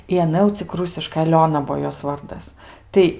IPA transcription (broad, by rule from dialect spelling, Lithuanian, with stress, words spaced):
ɪ ɐˈnɐ jɛʊ t͡sʲɪk ˈrʊsʲɪʃkɐɪ ɐˈlʲoːnɐ ˈbuɔ ˈjoːs ˈʋɐrdɐs ˈtɐɪ